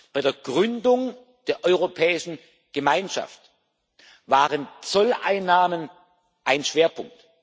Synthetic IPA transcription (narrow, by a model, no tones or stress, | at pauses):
b̥aɪdeːɐɡʁʏndʊŋ | d̥eːɐʔɔʏʁopʰɛːɪʃn̩ | ɡ̥əmaɪnʃa̰ft | vaːʁənt͡sɔla̰ɪnːaːmən | ʔaɪnʃv̥eːɐpʰʊŋk̚t